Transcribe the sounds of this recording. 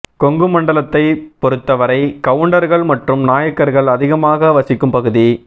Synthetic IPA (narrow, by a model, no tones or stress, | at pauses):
kɔŋɡɯmɐɳɖɐlɐt̪ːɐɪpɔɾɯt̪ːɐʋɐɾɐɪkɐʋɯɳɖɐɾɣɐɭmɐʈrɯmnaːjɐkːɐɾɣɐɭɐðɪɣɐmaːɣɐʋɐsɪkːɯmpɐɣɯði